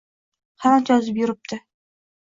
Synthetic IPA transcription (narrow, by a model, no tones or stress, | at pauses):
had͡ʒɒzɪpjʊɾɪp̚t̪ʰɪ